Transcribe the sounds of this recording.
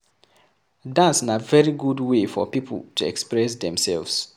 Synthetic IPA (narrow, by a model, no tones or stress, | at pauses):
dãnsɪ̃navɛɹiɡudwefɔ̰pipʰə̰l̩ˠtʰuɛ̰kspɹɛsðɛ̃msɛ̰lvs